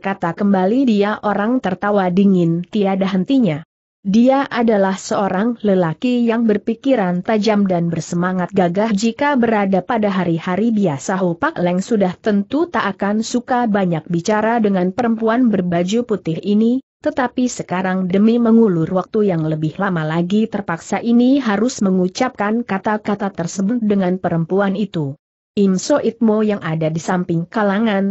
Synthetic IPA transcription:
kat̪akəmbalidiaʔoɾaŋt̪ərt̪awadiŋɪnt̪iadaɦənt̪iɲa | diaʔadalahsəoɾaŋləlakijaŋbərpikiɾant̪ad͡ʒamdanbərsəmaŋat̪̚ɡaɡahd͡ʒikabəɾadapadaɦaɾihaɾibiasaɦupaklɛŋsudaht̪ənt̪ut̪aʔakansukabaɲak̚bit͡ʃaɾadəŋanpəɾəmpuanbərbad͡ʒuput̪ɪhinit̪ət̪apisəkaɾaŋdəmiməŋulʊrwak̚t̪ujaŋləbɪhlamalaɡit̪ərpaksaʔiniɦaɾʊsməŋut͡ʃap̚kankat̪akat̪at̪ərsəbʊt̪̚dəŋanpəɾəmpuanit̪u | ʔimsoʔit̪̚mojaŋʔadadisampɪŋkalaŋan

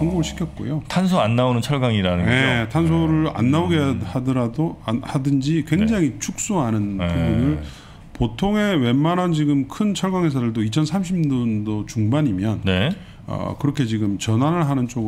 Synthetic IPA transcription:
ʌŋɡuɡɯɭɕʰi̥kʰjʌt̚k͈o̰jotʰans̬ʰoanːaonɯnt͡ɕʰʌɭɡaŋiɾanɯne̞tʰans̬ʰoɾɯɾa̰nːaoɡehadɯɾohadɯnd͡ʑikwe̞ŋd͡ʑaŋit͡ɕʰuk̚s͈uɦanɯnpubunɯɭ | potʰoŋe̞we̞mːanant͡ɕiɡɯmkʰɯnt͡ɕʰʌɭɡaŋɦe̞s̬ʰadɯɭdoit͡ɕʰʌnsʰamɕʰidɯndot͡ɕuŋbaɲimjʌnne | ʌ̰kɯɾʌkʰe̞t͡ɕiɡɯmt͡ɕʌnɦanɯɭɦanɯnt͡ɕ͈oɡɯ

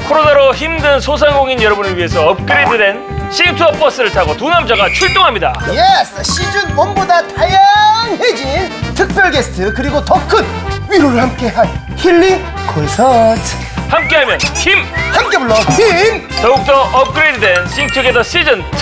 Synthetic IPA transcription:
kʰoɾonaɾoçimdɯnsʰos̬ʰaŋɡoŋinjʌɾʌbunɯɭɥiɦe̞sʰʌːp̚k͈ɯɾedɯde̞n | ɕ͈ʰiŋtʰuʌp͈ʰʌs͈ɯɾɯɭtʰaɡotunamd͡ʑaɣat͡ɕʰuɭt͈oŋɦamɲida̰jesɕ͈id͡ʑunmʌmbodatajaŋhed͡ʑintʰɯk̚p͈jʌɭɡesʰɯ̥tʰɯkɯɾiɡotʌkʰɯn | ɥiɾoɡɯɭhamk͈e̞ɦaɭ | çiɭːi | kʰosʰʌtʰ | hamk͈e̞ɦamjʌnçimhamk͈e̞boɭːʌhimtʌɡuk̚t͈ʌʔʌp̚k͈ɯɾedɯde̞nɕ͈ʰiŋtʰuɡedʌɕ͈ʰid͡ʑɯn

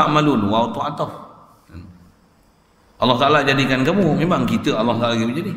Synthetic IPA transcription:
aʔmaluluwawt̪uat̪a | an | ʔɑlːɔht̪aʔalad͡ʒadikankamumemaŋkit̪əalːɔht̪alakimud͡ʒadi

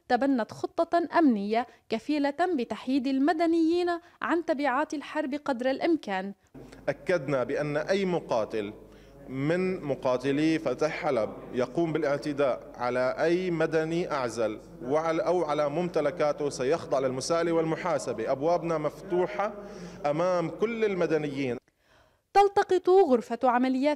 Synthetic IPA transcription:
t̪abanːat̪xʊt̪ˤːɑʔamnɪjːakafiːlabɪt̪aħjiːd̪almad̪anɪjːiːnʕant̪ɑbiːʕaːt̪alħɑɾˤbqɑd̪ɾˤalʔɪmkaːn | ʔakːad̪nabɪʔanːʔajːmʊqɑːt̪ɪl | mɪnmʊqɑːt̪ɪlifat̪aħalabjɑquːmbɪlʔɪʕt̪ɪd̪aːʔʕalaʔajːmad̪aniʔaʕzal | wʔawʕalamʊmt̪alakaːt̪ʊsajɑxd̪ˤɑʕlɪlmʊsaːʔliwɪlmʊħaːsabeʔabwaːbnamaft̪uːħaʔamaːmkʊlːɪlmad̪anɪjːiːn | t̪ɑlt̪ɑqɨt̪ˤɣʊɾfaʕamalɪjːaː

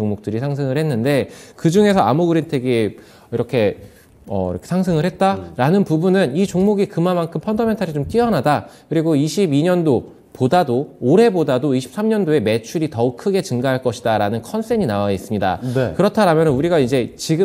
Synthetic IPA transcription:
oŋmok̚t͈ɯɾisʰaŋs̬ʰɯŋɯɭhe̞nːɯnde̞kɯd͡ʑuŋe̞sʰʌa̰muɡɯɾintʰeɡe | iɾʌkʰe̞ | ʌ̰ḭɾʌkʰesʰaŋs̬ʰɯŋɯɭhe̞t̚t͈aɾanɯnpubunɯnit͡ɕoŋmoɡikɯmamːankʰɯmpʰʌndʌme̞ntʰaɾit͡ɕomk͈iʌnadakɯɾiɡoiɕʰibiɲʌndo | podadoːɾe̞bodadoiɕʰi̥p̚s͈amɲʌndoe̞me̞t͡ɕʰuɾitʌuk̚kʰɯɡe̞t͡ɕɯŋɡaɦaɭk͈ʌɕʰidaɾanɯnkʰʌnsʰeɲinawais͈ɯmɲida̰kɯɾʌtʰaɾamjʌnɯnuɾiɡaid͡ʑe̞t͡ɕiɡɯ

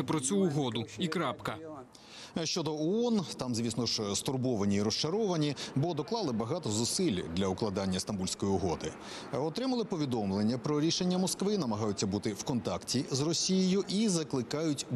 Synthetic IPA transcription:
pɾɔt͡sʲuːɦɔd̪ʊikɾɑpkɐ | ʃt͡ʃɔd̪ɔɔɔnt̪ɑmzʲʋʲisnɔʒst̪ʊrbɔʋɐnʲiːɾɔst͡ʃɐɾɔʋɐnʲibɔd̪ɔklˠɑlˠɪbɐɦɑt̪ɔzʊsɪlʲd̪lʲɐʊklˠɐd̪ɑnʲːɐst̪ɐnbulʲsʲkɔjiɔɦɔd̪ɪ | ɔt̪ɾɪmɐlˠɪpɔʋʲid̪ɔmlˠenʲːɐpɾɔɾʲiʃenʲːɐmɔskʋɪnɐmɐɦɑjʊt͡sʲːɐbut̪ɪwkɔnt̪ɑktʲizrɔsʲijejʊʔizɐklˠɪkɑjʊtʲ

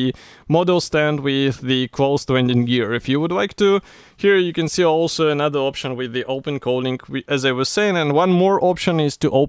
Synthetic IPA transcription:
mɔdl̩ˠstæ̃nd̚wɪððɨkʰl̥oʊstwɛ̃ndɨ̃njɪɹɪfjɨwədlaɪk̚tɨ | hiɹjɨkɨ̃nsiɔlˠsoʊənʌðə˞ɑpʃɨ̃nwɪðiʔoʊpɨ̃nkʰoʊlˠɪ̃ŋɨzaɪwʌz̥seɪɪ̃ŋɨ̃nwʌ̃nmɔɹʔɑpʃɨ̃nɪz̥tɨʔoʊ

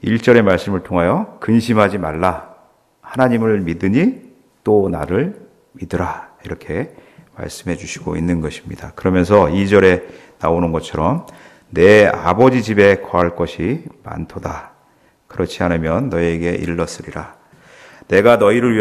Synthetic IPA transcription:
iɭt͡ɕ͈ʌɾe̞maɭs͈ɯmɯɭtʰoŋɦajʌkɯnɕʰimɦad͡ʑimaɭːa | hanaɲimɯɭmidɯɲi | t͈ona̰ɾɯɭ | midɯɾaiɾʌkʰe̞ma̰ɭs͈ɯmɦe̞d͡ʑuɕʰi̥ɡo̰inːɯnɡʌɕʰi̥mɲidakɯɾʌmjʌns̬ʰʌid͡ʑʌɾe̞ | naonɯnɡʌt͡ɕʰʌɾʌm | ne̞a̰bʌd͡ʑid͡ʑibe̞kʌɦaɭk͈ʌɕʰima̰ntʰoda | kɯɾʌt͡ɕʰiɦanɯmjʌnːʌieɡe̞ʔḭɭːʌs͈ɯɾiɾa | ne̞ɡanʌiɾɯɭɥi

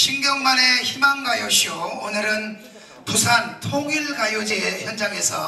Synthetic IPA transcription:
ɕʰimɡjʌŋmane̞çimaŋɡajoɕʰioonɯɾɯn | pusʰantʰoɡiɭɡajod͡ʑieçjʌnd͡ʑaŋe̞sʰʌ

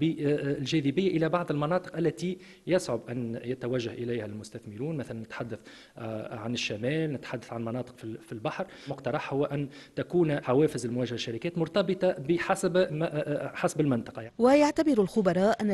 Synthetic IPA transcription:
bɪlʒɛːðɪbɪjːaʔɪlæbɑʕðˤɪlmɑnɑːt̪ˤə̥qʔælːæt̪i | jasʕʊbʔænjɪt̪æwæʒːahʔɪlæjhælmʊst̪æθmɪɾuːnmæθælænːɪt̪ħad̪ːaθ | ʕanɪʃːæmɛːlnɪt̪ħad̪ːaθʕanmɑnɑːt̪ˤə̥qfifilbaħɾˤ | mʊqt̪ɑɾˤɑħhʊwːæʔænt̪ækuːnħawɛːfɪzɪlmʊwæːʒahaʃːaɾɪkɛːt̪mʊɾt̪ɑbɨt̪ˤɑbəħasb | ħasbɪlmɪnt̪ˤɑ̥qɑjaiwɪjaʕt̪abɪɾalxʊbɑɾˤɑːʔʔænː

